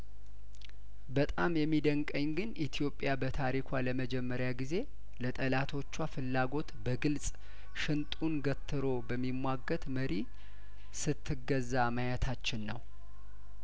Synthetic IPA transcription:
bət̪ʼamjɛmːid̪əŋkʼəɲːɡɨnʔit̪ʰijo̞pʼːjabət̪ʰaɾikʰʷaləməd͡ʒɛmːəɾjaɡize̞ | lət̪ʼəlat̪ʰo̞t͡ʃːwafɨlːaɡo̞t̪bəɡɨlsʼ | ʃɨnt̪ʼunɡət̪ʰːɨɾo̞bəmːimwaɡːət̪məɾi | sɨt̪ʰːɨɡːəzamajət̪ʰat͡ʃːɪnːəw

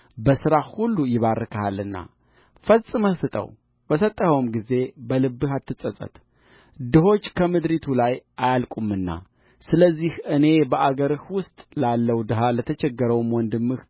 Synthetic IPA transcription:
bəsɨɾahulːujɪβarːɨkʰahalːɨnːa̰ | fəsʼɨməhsɨt̪ʼə̰w | bəsət̪ʼːəhəwmɡize̞bəlɨbːɨhat̪ʰːɨt͡sʼːəsʼə̰t̪ | d̪ɨɦo̞t͡ʃːkʰəmɨd̪ɾit̪ʰulajʔajalkʼumːɨnːa̰ | sɨləzːihʔɨne̞bəʔaɡəɾɨhwʊst̪ʼlalːəwd̪ɨɦalət̪ʰət͡ʃɛɡːəɾəwmwɔnd̪ɨmːɨh

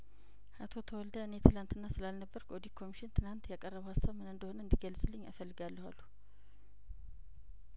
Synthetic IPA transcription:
at̪ʰo̞t̪ʰəwɔld̪əɨne̞t̪ʰɨlant̪ɨnːasɨlalnəbːəɾkʰʔɔd̪ikʰo̞miʃɪnt̪ʰɨlant̪jakʼərːəβəwhasːaβmɨnɨnd̪əho̞nəɨnd̪iɡəlsʼɨlːɨɲːa̰fəlːɨɡalːəhalːu

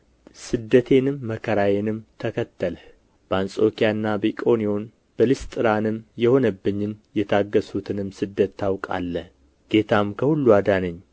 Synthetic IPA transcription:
sɨd̪ːət̪ʰe̞nɨmːəkʰəɾajenɨmt̪ʰəkʰət̪ːələ | b̥əansʼo̞kʰijanːabəikʼo̞nio̞n | bəlist̪ʼɨɾanɨmjɛho̞nəbːɨɲːɨnjɛt̪ʰaɡːəsut̪ʰɨnɨmsɨd̪ːət̪ʰːawkʼa̰lːə | ɡ̥e̞t̪ʰamkʰəhulːuad̪anəɲː

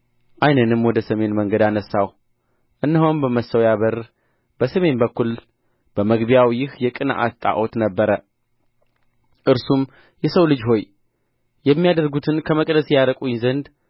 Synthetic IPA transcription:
ʔajnənɨmwɔd̪əsəme̞nməŋɡəd̪anəsːaw | ʔɨnːɨɦombəməsəwjaβəɾ | b̥əsəme̞nbəkːul | b̥əməɡbjawjɪhjɛkʼɨnʔa̰st̪ʼa̰ʔot̪nəbːəɾə | ʔɨɾsum | jɛsəwlɨd͡ʒɦo̞j | jɛmːijad̪əɾɡut̪ʰɨnkʰəməkʼd̪əsjaɾəkʼujzənd̪

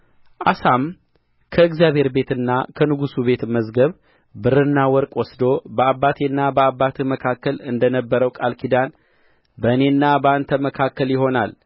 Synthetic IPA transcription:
ʔasam | kʰəɨɡzjaβhe̞ɾbe̞t̪ɨnːa̰kʰənɨɡusuβe̞t̪məzɡəβ | bɨɾɨnːawɔɾkʼwɔsd̪o̞bəabːat̪ʰenːabəabːat̪ʰməkʰakːəlɨnd̪ənəbːəɾəwkʼalkʰid̪an | bəɨne̞nːabəant̪ʰəməkʰakːəljɪɦo̞nal

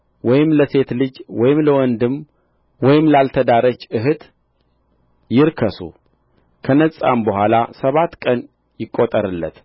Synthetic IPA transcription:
wɔjɪmləse̞t̪lɨd͡ʒwɔjɪmləwɔnd̪ɨm | wɔjɪmlalt̪ʰəd̪aɾət͡ʃːʔɨɦɨt̪ | jɪɾkʰəsṵ | kʰənəsʼa̰mbəhʷalasəβat̪ːkʼən | jɪkʼːot̪ʼəɾɨlːə̰t̪

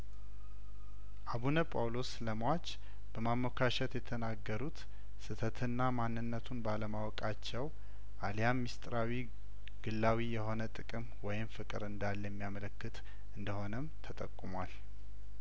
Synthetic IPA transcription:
ʔaβunəpʼawlo̞sləmwat͡ʃː | b̥əmamːokʰaʃɛt̪jɛt̪ʰənaɡːəɾut̪ | sɨt̪ʰət̪ʰɨnːamanːɨnːət̪ʰunbaləmawɔkʼat͡ʃːɛw | ʔalijamːist̪ʼɾawi | ɡ̥ɨlːawijɛho̞nət̪ʼɨkʼɨmwɔjɪmfɨkʼɨɾɨnd̪alːjɛmːijamələkːɨt̪ | ʔɨnd̪əho̞nəmt̪ʰət̪ʼəkʼːumwal

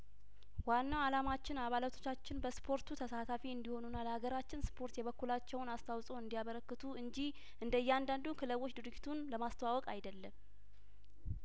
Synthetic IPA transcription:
wanːawalamat͡ʃːɪnaβalat̪ʰo̞̥t͡ʃːat͡ʃːɪnbəspʰo̞ɾt̪ʰut̪ʰəsat̪ʰafiɨnd̪iho̞nunːaləhaɡəɾat͡ʃːɪnspʰo̞ɾt̪jɛβəkːulat͡ʃːɛwnast̪ʰawsʼoɨnd̪ijaβəɾəkːɨt̪ʰuʔɨɲd͡ʒih | ʔɨnd̪əjːɛand̪and̪unkʰɨləwot͡ʃːd̪ɨɾɨd͡ʒit̪ʰunləmast̪əwawɔkʼajd̪əlːəm

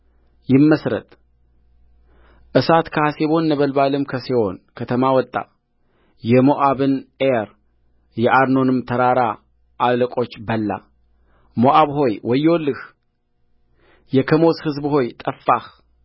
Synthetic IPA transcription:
jɪmːəsɾə̰t̪ʼ | ʔɨsat̪kʰəhaseβo̞nːəβəlbalɨmkʰəsewo̞̰nkʰət̪ʰəmawɔt̪ʼːa̰ | jɛmoʔaβɨnʔeɾ | jɛʔaɾno̞nɨmt̪ʰəɾaɾa | ʔaləkʼo̞t͡ʃːbəlːa̰ | moʔaβɦo̞jwɔjːwolːɨh | jɛkʰəmo̞shɨzbho̞jt̪ʼəfːah

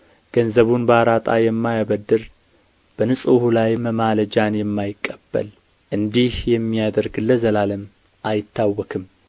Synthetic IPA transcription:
ɡ̥ənzəβunbaɾat̪ʼajɛmːajaβəd̪ːɨɾ | b̥ənɨsʼuhulajməmaləd͡ʒanjɛmːajɪkʼːəb̥ːə̰l | ʔɨnd̪ihjɛmːijad̪əɾɡɨlːəzəlaləmː | ʔajɪt̪ːawːɔkʰɨm

